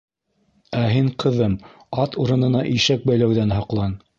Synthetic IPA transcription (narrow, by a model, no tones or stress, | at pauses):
æɦiɴqʰɤ̆ðɤm | ɑt̪uɾɤ̆nɤ̆nɑʔiʃæk̚bæjlæwðænɦɑqlˠɑn